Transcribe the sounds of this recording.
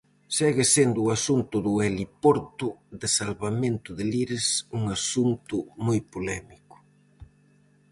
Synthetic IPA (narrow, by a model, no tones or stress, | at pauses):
sɛɣɪsend̪ʊːasunt̪ʊðʊɛlipɔɾt̪ʊðɪsalβamẽnt̪ʊðɪliɾɪsuŋasunt̪ʊmujpolɛmikʊ̥